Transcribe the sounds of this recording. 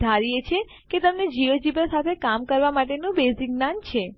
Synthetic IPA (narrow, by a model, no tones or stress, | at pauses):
d̪ʱaɾijet͡ʃʰe | ket̪əmned͡ʒiʋəd͡ʒibəsat̪ʰekamkəɾʋamaʈ̬enũbeziɡnant͡ʃʰe